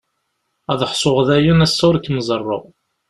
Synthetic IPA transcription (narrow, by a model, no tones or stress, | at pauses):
æðəħsˤoʁðæjunæsːʊɾkːməzˤərˤːo̰ʁ